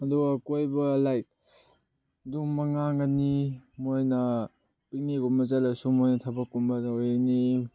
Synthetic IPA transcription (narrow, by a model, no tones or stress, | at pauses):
ɐduɡɐkojbɐlajk̚ | dumɐŋaŋɡɐnimojnɐ | piniɡumbɐzalɐsumojnɐtʰɐbɐkːumbɐojni